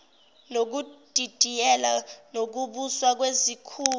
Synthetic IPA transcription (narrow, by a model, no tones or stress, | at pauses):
nok̬ud̥ʼʱid̥ʱijɛlanok̬uɓuswak̬wezikʰuː